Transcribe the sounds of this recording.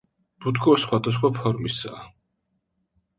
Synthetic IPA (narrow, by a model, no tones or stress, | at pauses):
b̥ud̪ɡɔsχwad̪as̬χwapʰɔɾmisa̰ː